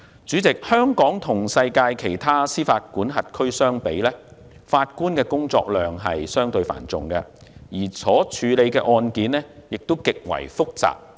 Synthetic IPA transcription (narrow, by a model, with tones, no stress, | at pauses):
t͡syː˨˥t͡sɪ˨k̚hœː˥ŋkɔː˨˥ŋt̪ʰʊ˨˩ŋsɐ˧jkaː˧jkʰe˨˩jt̪ʰaː˥siː˥faː˧t̚kuː˨˥nɦɐ˨t̚kʰɵ˥ɥsœː˥ŋpe˨˥jlɛː˥ | faː˧t̚kuː˥nkɛː˧kʊ˥ŋt͡sɔ̰ː˧k̚lœː˨˩ŋɦɐ̰˨jsœː˥ŋt̪ɵ˧ɥfa̰ː˨˩nt͡sʊ˨ŋkɐ̰˧jiː˨˩t͡sʰɔː˨˥t͡ʃʰyː˨˧le˨˧jkɛː˧ʔɔː˧nkiː˨˥nlɛ˥jɪ˨k̚t̪o˥wkɪ˨k̚wɐ̰˨˩jfʊ˥k̚t͡sa̰ː˨p̚